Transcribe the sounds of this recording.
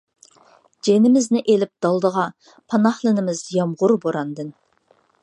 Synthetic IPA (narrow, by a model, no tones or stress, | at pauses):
d͡ʒenɪmɪznɪʔelɪp̚d̪̥ɑlˠd̪əʁɑ | pʰɑnɑhlˠɨnɪmɪzjɑmʁʊɾboɾɑnd̪ɨn